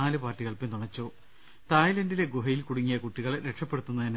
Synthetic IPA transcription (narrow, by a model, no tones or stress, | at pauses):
aːlɨpaːrʈːiɣɐɭpent̪uɳɐt͡ɕːoː | t̪aːjlɐndileɡoɦɐjilkuɽuŋːijɐkuʈːiɣɐɭɾe̞kʂɐpːe̞ɽut̪ːunːɐðin